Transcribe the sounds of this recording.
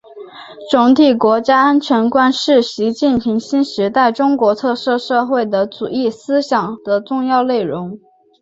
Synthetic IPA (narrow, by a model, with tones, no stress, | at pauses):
ʈ͡ʂʊ˧˥ŋt̪ʰi˨˩kwɔ˧˥t͡ɕja˥a˥nt͡ɕʰɥɛ˧˥nkwa˥nʂɻ̩˥˩ɕi˧˥t͡ɕi˥˩npʰi˧˥ŋɕi˥nʂɻ̩˧˥t̪a˥˩ɪʈ͡ʂʊ˥ŋkwɔ˧˥t̪ʰɤ˥˧ʂɤ˥˧ʂɤ˥˧xwe˥˩ɪd̪ə˩t͡su˨˩i˥˩sɹ̩˥ɕjɑ˨˩ŋd̪̥ə˨ʈ͡ʂʊ˥˧ŋjɑ˥˧ʊle˥˩ɪɻʊ˧˥ŋ